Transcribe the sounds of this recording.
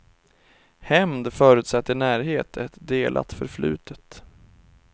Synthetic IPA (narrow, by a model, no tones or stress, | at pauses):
hɛmd̪fœːɾʉt̪sɛt̪ːənæːɾɦeːt̪ʰɛt̪d̪eːlʔa̰t̪fœɾflʉ̟̰ːt̪ʰət̪